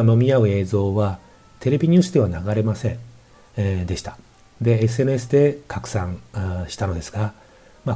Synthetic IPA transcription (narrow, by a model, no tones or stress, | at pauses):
no̞mʲiaɯ̟e̞ːzo̞ːβa | t̪ʰe̞ɾe̞bʲiɲ̟ɨ̟ːsɨd̪e̞βanaɡaɾe̞masẽ̞n | d̪e̞ɕi̥t̪ḁ | d̪e̞es̬ɨe̞nɯesɨd̪e̞kakɯ̟̥sãŋɕi̥t̪ano̞d̪e̞sɨ̥ɡa | ma